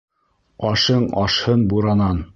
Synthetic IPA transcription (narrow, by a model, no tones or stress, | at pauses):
ɑʃɤɴɑʃhɤnbuɾɑnɑn